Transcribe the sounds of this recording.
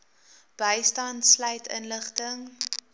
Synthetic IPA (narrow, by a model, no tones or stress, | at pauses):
b̥əjstɐntsləjtʰə̰nləχtəŋ